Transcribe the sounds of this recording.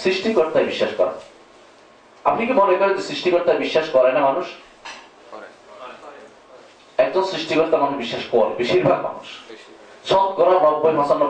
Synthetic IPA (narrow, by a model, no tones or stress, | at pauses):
sɾiʃʈikɔɾt̪ajbiʃːaʃkɔ̰ɾa̰ | a̰pnikibolekɔɾend͡ʑesɾiʃʈikoɾt̪ajbiʃːaʃkɔɾajnamanuʃ | ɛk̚d͡ʑonsɾiʃʈikɔɾt̪amambiʃːaʃkɔɾbeʃiɾbʱa̰ɡ̚ma̰nṵʃ | sʰɔt̪kɔɾanɔbːojɦɔsanːɔ